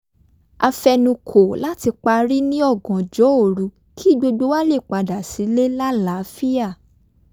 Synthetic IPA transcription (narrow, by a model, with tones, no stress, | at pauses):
a˧fɛ˧nũ˧kʰo˨la˦ti˧k͡pa˧ɾi˦nĩ˦ɔ˦˨ɡɔ̃˨d͡ʒɔ˨˦o˦˨ɾu˧˦ | kʰi˦˨ɡ͡bo˧ɡ͡bo˧˦wa˦le˦˨k͡pa˧da˨si˨˦le˦la˦la˨˦fi˦a˦˨